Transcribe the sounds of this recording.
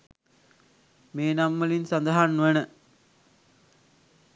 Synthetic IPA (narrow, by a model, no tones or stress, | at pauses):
meːnamːəlinsand̪ɐɦanːuʋənə